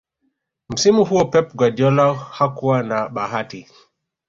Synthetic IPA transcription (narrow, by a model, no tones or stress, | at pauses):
m̩simuɦuɔpɛp̚ɡwadjɔlahakuwanaɓaɦati